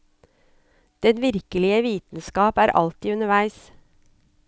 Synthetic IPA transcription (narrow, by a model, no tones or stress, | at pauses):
d̪̥ɛnʋɪɾkəlɪəʋiːt̪n̩skɑːpæːɾʔɑ̰lt̪iːʉnəʋæɪs